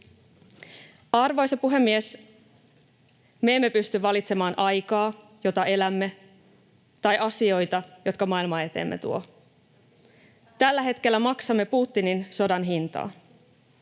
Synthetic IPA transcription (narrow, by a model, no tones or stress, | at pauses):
ɑrʋo̞jsɑpuɦe̞mːie̞s | me̞ːmːe̞pyst̪yʋɑlit̪se̞mɑːnʔɑjkɑː | jo̞t̪ɑʔe̞læmːe̞ | t̪ɑjʔɑsio̞jt̪ɑjo̞t̪kɑmɑilmɑe̞t̪e̞̰ːmːḛt̪uo̞̰ | t̪ælːæɦe̞t̪k̟e̞lːæmɑksɑmːe̞puːt̪ːininso̞dɑnɦint̪ɑ̰ː